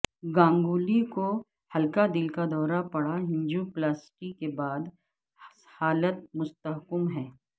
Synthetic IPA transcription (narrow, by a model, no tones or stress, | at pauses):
ɡãːŋɡuːliko | hɐlkad̪ɪlkad̪ɔːɾapɐɽ̤aɦɪ̃ɲd͡ʒuplaːsʈikebaːd̪ | haːlət̪̚mʊst̪əɦkəmɦɛː